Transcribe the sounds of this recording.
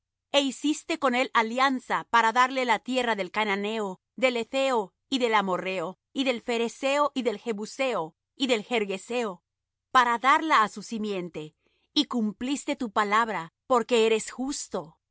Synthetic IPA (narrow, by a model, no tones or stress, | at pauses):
e̞isist̪e̞ko̞ne̞laljansapaɾaðaɾle̞lat̪je̞raðe̞lkanane̞o | ðe̞le̞θe̞o | iðe̞lamo̞re̞o | iðe̞lfe̞ɾese̞o̞ʔiðe̞lxe̞βuse̞o | iðe̞lxe̞ɾɣe̞se̞o̞ | paɾaðaɾlaːsusimje̞nt̪e̞ | ikumplist̪e̞t̪upalaβɾapo̞ɾke̞eɾe̞sxust̪o̞